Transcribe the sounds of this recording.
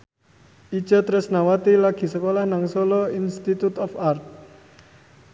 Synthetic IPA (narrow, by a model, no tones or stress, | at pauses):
id̥d͡ʒ̥ɔ̤t̪ɾɪsnawat̪ilaɡ̥i̤səkolahnaŋsolɔinst̪it̪ut̪ɔfart̪̚